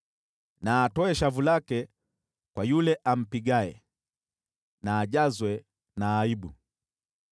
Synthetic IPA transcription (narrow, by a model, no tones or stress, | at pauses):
naːtɔɛʃavulakɛ | kwajulɛʔam̩piɡaɛ | naːɟazwɛ | naːibu